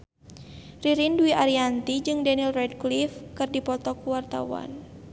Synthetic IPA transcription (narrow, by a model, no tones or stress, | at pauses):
riɾinduiʔaɾiant̪id͡ʒɨŋdanilrɛdklifkɨrdipɔt̪ɔkuwart̪a̰wa̰n